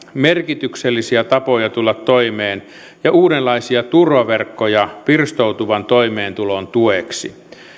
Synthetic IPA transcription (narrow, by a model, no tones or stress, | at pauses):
merkit̪ykselːisiæt̪ɑpojɑt̪ulːɑt̪ːoimeːn | jɑʔuːdelːɑisiɑt̪urʋɑʋerkːojɑpirst̪out̪uʋɑnt̪oimeːnt̪ulont̪ueksi